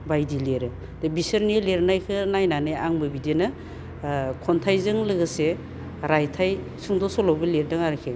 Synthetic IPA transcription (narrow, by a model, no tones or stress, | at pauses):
bajdileɾɯ | dɯbisɐɾnileɾnajkʰɯnajnanɯjaŋbɯbidenɯ | kʰɔntʰajzɯŋlɯɡɯse | ɾajtʰaj | suŋdɔsɔlɔwbɯleɾdɯŋaɾkʰe